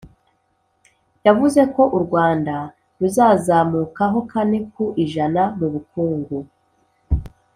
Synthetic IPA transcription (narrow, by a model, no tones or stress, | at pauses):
javuze̞ko̞ʔuɾɡwaːnda | ɾuzaːzaːmuːkaɦo̞kanekuʔiʒanamuβukuːŋɡu